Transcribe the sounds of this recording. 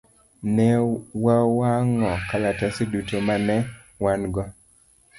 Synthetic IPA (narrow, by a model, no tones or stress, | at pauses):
nɛwawaŋɔkalatasidutomanɛ | wanɡɔ